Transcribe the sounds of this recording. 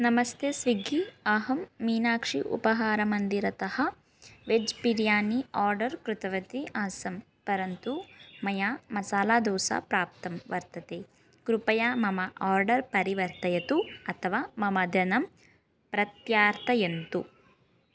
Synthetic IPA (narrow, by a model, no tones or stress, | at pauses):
nɐmɐst̪ʰesʋiɡʱiɐɦɐmːiːnaːkʂḭʔṵpɐɦaːɾɐmɐnd̪iɾɐt̪ɐhɐ | ʋed͡ʒpiɾjaːniaːɾɖɐɾkɾut̪ɐʋɐt̪iʔaːsɐm | pɐɾɐnt̪umɐjaːmɐsaːlaːd̪ɔːsa̰pɾaːp̚t̪ɐmʋɐɾt̪ɐt̪eː | kɾupɐjaːmɐmɐʔaːɾɖɐɾpɐɾiʋɐɾt̪ɐjɐt̪uɐt̪ʰɐʋaːmɐmɐd̪ʱjɐnɐm | pɾɐt̪jaːɾt̪ɐjɐnt̪u